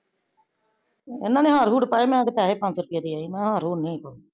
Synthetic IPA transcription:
ḛnãːnẽːɦaːɾɦuːʈpaːjeːmɛ̃ːd̪epɛːɦeːpə̃nt͡ʃɾʊpɪjaːd̪iːaːiːmɛ̃ːɦaːɾɦuːneĩːpoː

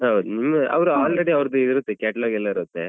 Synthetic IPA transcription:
ɦɐwd̪unimːɐʔɐ̰ʋɾuaːlɾeɽiɐʋɾɐd̪uiɾut̪ːekɛːʈɐloːɡɛlːɐiɾut̪ːe

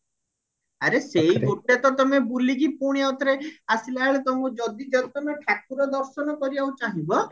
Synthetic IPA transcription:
aɾeseiɡoʈːet̪ɔt̪ɔmebuliɡipuɽ̃iat̪ɔɾeasilaɭet̪ɔmũd͡ʒɔd̪id͡ʒɔt̪ɔnɔʈʰakuɾɔd̪ɔɾsɔnɔkɔɾibaut͡ʃaɦibɔ

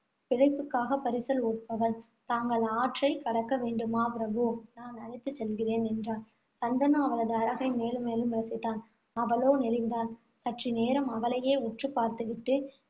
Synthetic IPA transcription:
pɪɻɐɪpːɯkːaːɣɐpːɐɾɪsɐloːʈ̚pɐʋɐn | t̪aːŋɡɐɭaːʈrɐɪkːɐɽɐkːɐʋeːɳɖɯmaːpɪɾɐʋoːnaːnɐɳɪt̪ːɯsɛlɣɪreːnɛndraːn | sɐnd̪ɐnɐ̃mɐʋɐɭɐðɯɐɻɐɣɐɪmeːlɯmːeːlɯmʋɪɾɐsɪt̪ːaːn | ɐʋɐloːnɪlɪnd̪aːn | sɐʈrineːɾɐmɐʋɐlɐjeːʊʈrɯpːaːɾt̪ɯʋɪʈːɯ

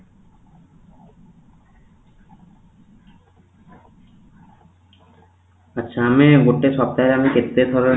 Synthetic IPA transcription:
atːɕʰaameɡoʈːeʃɔp̚t̪aeɾamiket̪ːed̪ʱɔɾe

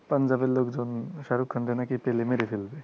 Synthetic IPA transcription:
pɐnd͡ʑabelːokd͡ʒonʃaɾukʰːənd̪enakipelemeɾefʰelbe

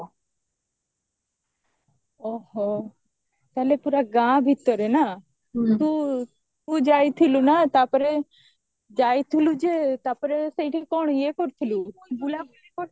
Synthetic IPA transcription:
oho | t̪ɛːlepuːɾaɡãːbʱit̪ːəɾena | t̪uː | t̪uːd͡ʒaːit̪ʰilunaːt̪aːpəɾe | d͡ʒaːit̪ʰilud͡ʒeːt̪aːpəɾesəiʈʰikɔːɳ̃jeːkɔɾt̪ʰiluːbulaekɔ

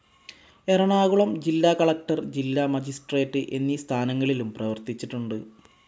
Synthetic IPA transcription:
erɐɳaːɣuɭɐmd͡ʑilːaːkɐɭɐk̚ʈɐrd͡ʑilːamɐd͡ʑisʈreːʈːɨʔe̞nːist̪ʰaːnɐŋːɐɭilumprɐʋɐrt̪it͡ɕːiʈːuɳɖɨ

